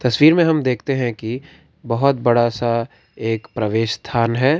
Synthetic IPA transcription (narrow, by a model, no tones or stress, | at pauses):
t̪ɐswiːɾmẽɦɐmd̪eːkʰt̪eɦɛ̃ki | bɐɦʊt̪̚bɐɽasa | eːkpɾɐʋeːʃst̪ʰaːnɦɛː